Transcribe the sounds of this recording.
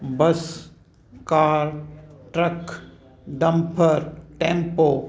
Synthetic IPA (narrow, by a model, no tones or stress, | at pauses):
bɐs | kaːɾʈɾɐk | ɖɐ̃mpʰəɾʈẽːmpoː